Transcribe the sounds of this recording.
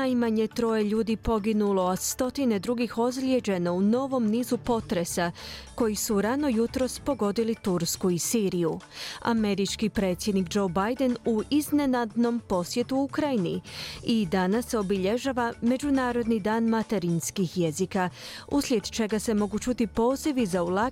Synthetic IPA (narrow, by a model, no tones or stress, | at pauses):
najmaɲe̞t̪ɾo̞jeʎuːd̪ipo̞ɡinulo̞ast̪o̞t̪ine̞d̪ɾuɡixo̞zlje̞d͡ʑe̞no̞uno̞ʋo̞mniːzupo̞t̪ɾe̞sako̞jisuɾano̞jut̪ɾo̞spo̞ɡo̞d̪ilit̪uɾskuisiːɾijua̰me̞ɾit͡ʃkipɾe̞t̪sje̞d̪nikd͡ʒo̞bajd̪e̞nuizne̞nad̪no̞mpo̞sje̞t̪uukɾajiniid̪anasːeo̞biʎe̞ʒaʋame̞d͡ʒunaːɾo̞d̪nid̪aːnmat̪e̞ɾinskixjezikauslʲje̞d̪t͡ʃe̞ɡase̞mo̞ɡut͡ʃut̪ipo̞ːziʋizaula